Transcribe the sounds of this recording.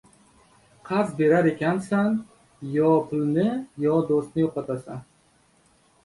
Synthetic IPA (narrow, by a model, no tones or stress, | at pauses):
qʰɑzbe̞ɾaɾe̞kʲansan | jɒpʰʊlnɪjɒd̪ost̪nɪjopat̪ʰasan